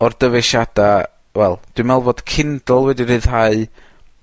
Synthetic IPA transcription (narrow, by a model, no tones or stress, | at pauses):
ɔrd̥əvɛʃada | wɛlˠd̥wimɛlˠvɔd̥kʰɪndɔlˠwɛdirɨð̥ɦaɨ